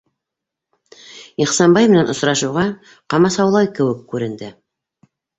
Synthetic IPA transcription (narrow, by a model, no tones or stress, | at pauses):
iχsɑmbɑjmɘ̆nænŏsɾɑʃɤ̆wʁɑ | qɑmɑsɑwlˠɑjkɘ̆wɘkːʉɾɘ̆nd̪ɘ